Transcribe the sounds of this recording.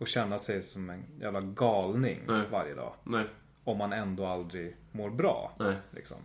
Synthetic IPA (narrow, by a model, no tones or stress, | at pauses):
ɔɕɛnːasɛjsɔmɛnjæ̰ːvlaɡɑːlnɪ̰ŋvaɾjə̰d̪ɑ̰ː | ɔmːanɛnd̪oːald̪ɾɪɡ | moːɾbɾɑ̰ːlɪ̰ksɔ̰m